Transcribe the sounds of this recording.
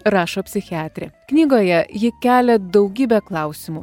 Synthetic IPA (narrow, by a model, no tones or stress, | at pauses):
ɾɑːʃoːpʲsʲɪxʲɪɑːt̪ʲɾʲɛknʲiːɡoːjɛjɪkʲæːlʲɛd̪ɒʊɡʲiːbʲɛklˠɑˑʊsʲɪmuː